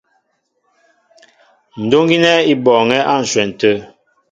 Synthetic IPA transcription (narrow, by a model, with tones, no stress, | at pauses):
n̩˨do˦ŋɡi˦nɛ˦i˦bɔː˨ŋɛ˦ʔa˦˨n̩˨swɛ˨n̩˨tə˦